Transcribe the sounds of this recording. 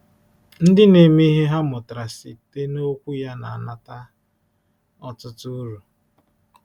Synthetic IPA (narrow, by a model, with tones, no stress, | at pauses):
n̩˦dɪ˦ne˨mi˦i˦ɦe˦ɦa˦mʊ˨tɾa˨si˨te˦no˦kʷu˦ja˦na̰˨a˨na˨ta˦ | ɔ˨tʊ˦tʊ˦ɾu˨